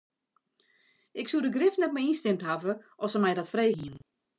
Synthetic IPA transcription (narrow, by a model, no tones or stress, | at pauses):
ʔɪksudəɡrɪftnɛt̚mɛjinstɪmtɦavəʔɔsəmɛjdɔtfreːɣiən